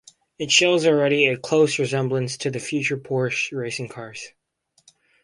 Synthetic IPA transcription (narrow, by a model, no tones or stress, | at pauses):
ɨtʃoʊzl̩ˠɹɛɾiɨkʰl̥oʊsɹɨzɛ̃mblə̃nstʰɨðɨfjʉt͡ʃə˞pʰɔɹɨʃɹeɪsɪ̃ŋkʰɑɹz̥